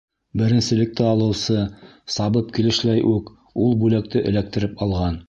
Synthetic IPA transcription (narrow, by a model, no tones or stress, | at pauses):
bɘ̆ɾɘ̆nsɘ̆lɘ̆k̚t̪ɘɑlˠɤ̆wsɤ | sɑβɤp̚kilɘ̆ʃlæjʔʉk | ulˠbʉlæk̚t̪ɘʔɘ̆læk̚t̪ɘ̆ɾɘpɑlˠʁɑn